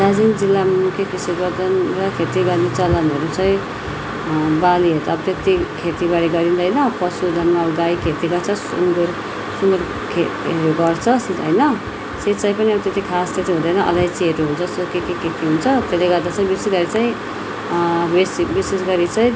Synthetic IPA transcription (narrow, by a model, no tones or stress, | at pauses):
dad͡zind͡zilːamukʰjʌkisiɾbʌd̪ʌnrʌkʰet̪iɡʌɾnet͡sʌlʌnʌɾut͡sʌĩ | baliɦʌt̪ʌbt̪jʌk̚t̪ikʰet̪ibaɽiɡʌɾind̪ʌjnʌpʌsud̪ʱʌnmaɡajkʰet̪iɡʌɾt͡sʰʌsṵnɡuɾ | sumʌr | kʰeɦeɾuɡʌrt͡sʰʌsit̪ɦʌjnʌ | sit͡sãj̃pʌniʌt̪et̪ikʰast̪ʰet̪iɦũd̪ʌjnʌʔʌ̰lajt͡siɦeɾuɦunt͡sʰʌsokekekekiɦunt͡sʰʌt̪eleɡʌrd̪at͡sʌ̃ĩbisesɡʌɾit͡saĩ | bisbisesɡʌɾit͡sʌĩ